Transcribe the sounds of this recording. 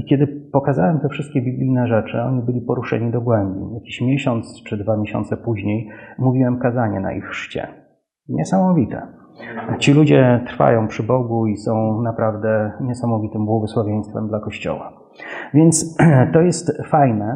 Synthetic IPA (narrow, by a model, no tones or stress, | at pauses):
ikʲɛd̪ɘpɔkazawɛmt̪ɛfʂɘst̪̚kʲɛbʲiblʲijnɛʐɛt͡ʂɘɔɲibɘlʲipɔɾuʂɛ̰ɲid̪ɔɡwɛmbʲḭjakʲiɕmʲjɛɕɔnt̪st͡ʂɘd̪vamʲeɕɔ̰nt̪sɛpuʑɲejmuvʲiwɛmkazaɲɛna̰ʔḭxʂt͡ɕɛ̰ | ɲɛsamɔvʲit̪ɛ̰ | t͡ɕilud͡ʑɛt̪ɾfa̰jɔ̃w̃pʂɘbɔɡuisɔ̃w̃napɾavd̪ɛɲɛsamɔvʲit̪ɘmbwɔɡɔswavʲjej̃st̪fɛmd̪lakɔɕt͡ɕɔ̰wa̰ | vʲjɛnt̪st̪ɔjɛst̪fajnɛ